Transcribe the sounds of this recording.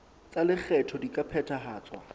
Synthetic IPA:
t͡sʼalɪk͡xʰɛtʰɔdikʼapʰɛtʰaɦaːt͡swa̰

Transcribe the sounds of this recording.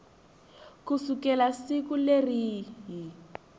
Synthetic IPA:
kusukɛlasikuleriɦi

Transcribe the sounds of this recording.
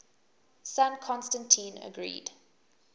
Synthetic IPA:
sãnkʰɔ̃nstə̃ntʰĩːnə̰ɡɹḭːd̥

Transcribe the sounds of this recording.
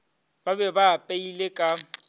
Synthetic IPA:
babɛbapʼeilekʼa

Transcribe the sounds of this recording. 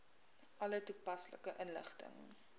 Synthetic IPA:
ʔɐlətupɐsləkəʔənlə̰χtə̰ŋ

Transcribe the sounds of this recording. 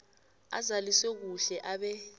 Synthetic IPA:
a̰zaliswɛk̬uɬɛʔaɓɛ

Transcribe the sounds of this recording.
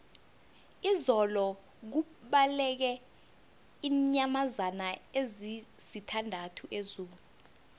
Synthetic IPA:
izɔlɔ | k̬u | ɓalɛk̬ɛ | iɲamazanaezisitʰandʱatʰuʔezuːlu

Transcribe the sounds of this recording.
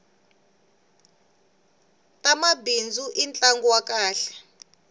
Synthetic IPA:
tʼamabind͡zʱuʔint͡ɬʼaŋɡuwakaːɬɛ̥

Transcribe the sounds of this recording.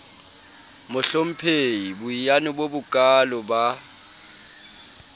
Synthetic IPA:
mʊɬom̩pʰejibʊijanɪbobʊkʼalʊba

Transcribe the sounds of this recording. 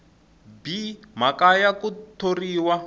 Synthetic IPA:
bimakajakut̪ʰoriːwa

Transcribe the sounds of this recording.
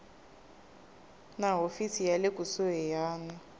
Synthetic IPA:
naɦofisijalekʼusuɦɛjaːna

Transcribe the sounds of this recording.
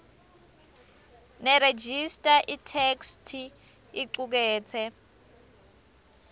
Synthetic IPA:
nɛɾed͡ʒistʼaʔitʰekstʰi | iǀuk̬ɛːt͡sʰɛ

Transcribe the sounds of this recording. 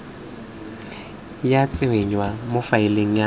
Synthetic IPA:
jat͡sʼɪweɲwamʊfaɪleŋ̩ja

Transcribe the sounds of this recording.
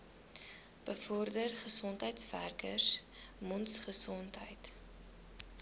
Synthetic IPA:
b̥əfɔrdərχəsɔntɦəjtsvæ̰rkəsmɔntsχəsɔntɦə̰jt

